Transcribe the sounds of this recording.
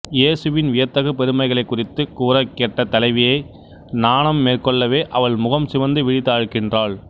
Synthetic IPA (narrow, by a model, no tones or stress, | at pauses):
jeːsɯʋɪnʋɪjɐt̪ːɐɣɯpɛɾɯmɐɪɣɐɭɐɪkːʊrɪt̪ːɯkuːɾɐkːɛʈːɐt̪ːɐlɐɪʋɪjɐɪ | naːnɐmːeːrkɔɭːɐʋeːʔɐʋɐɭmʊɣɐmsɪʋɐnd̪ɯʋɪɻɪt̪ːaːɻɯkɪndraːɭ